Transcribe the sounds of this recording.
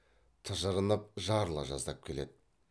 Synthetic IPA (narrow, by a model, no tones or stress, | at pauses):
t̪ʰɑʒəɾənɑp̚ʒɑɾlˠɑ̰ʒɑ̰zd̪ɑp̚kʲʰe̞le̞d̪ɪ